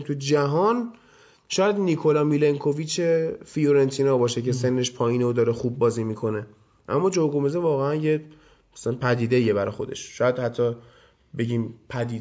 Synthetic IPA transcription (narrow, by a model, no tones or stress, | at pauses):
t̪ʰud͡ʒæɦɒn | ʃɒːjæd̪nikʰo̞lɒmileŋkʰo̞vit͡ʃʰefijoɾent̪ʰinɒbɒːʃecʰe̞se̞nːe̞ʃpʰɒːjiːnod̪ɒːɾexuːbːɒːziːmikʰo̞ne̞ | ʔæ̰mːɒːd͡ʒoɾɡomezevɒːɣeænje | mæslænpʰæd̪iːd̪e̞iebæɾɒ̰xo̞d̪e̞̰ʃʃɒːjæd̪̥hæt̪ʰːɒ | be̞ɟiːmpʰæd̪iː